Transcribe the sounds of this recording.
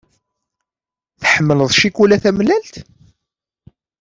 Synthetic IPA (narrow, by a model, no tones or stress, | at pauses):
θħəmːələðˤʃikulæθæmlælt̪